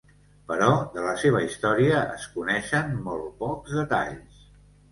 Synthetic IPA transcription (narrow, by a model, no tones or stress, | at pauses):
pəɾɔðələseβ̞əist̪ɔɾiəʔə̰skunɛʃəmmɔlˠt̪̚pɔkzðət̪a̰ʎs